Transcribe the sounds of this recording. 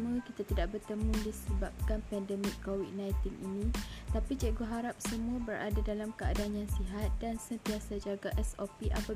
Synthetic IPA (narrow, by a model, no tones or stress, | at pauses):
mukit̪at̪idaʔ̚bərt̪əmũdisəbap̚kanpɛndɛmɪkːowid̪̚nãjt̪inḭnĩt̪apit͡ʃɛʔɡoɦaɾap̚səmũabəɾʔa̰dadalamkəa̰daanjaŋsiɦat̪̚dansənt̪iasad͡ʒaɡaʔɛsopiʔapa